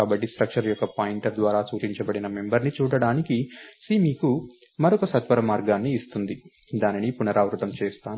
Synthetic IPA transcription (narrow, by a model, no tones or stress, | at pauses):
aːbɐʈːisʈɾɐkʂɐɾjɔkːɐpaːjiɳʈɐɾd̪ʋaːɾaːt͡ʃuːt͡ʃiɲt͡ʃɐbɐɽinɐmembɐɾnit͡ʃuːɽɐɽaːnikisiːmiːku | mɐɾɔkɐsɐt̪ʋɐɾɐmaːɾɡaːnːiːst̪und̪i | d̪aːninipunɐɾaːʋɾut̪ɐmt͡ʃɛːst̪aːnu